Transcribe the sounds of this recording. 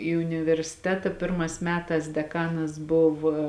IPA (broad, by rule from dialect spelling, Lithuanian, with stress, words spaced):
iː ʊnʲɪʋʲɛrʲsʲɪˈtʲæːtɐ ˈpʲɪrmɑːs ˈmʲæːtɑːs dʲɛˈkɑːnɐs ˈbʊʋɐ